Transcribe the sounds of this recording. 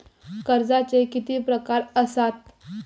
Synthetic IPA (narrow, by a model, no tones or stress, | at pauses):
kəɾd͡zat͡sekit̪iːpɾəkaɾəsat̪̚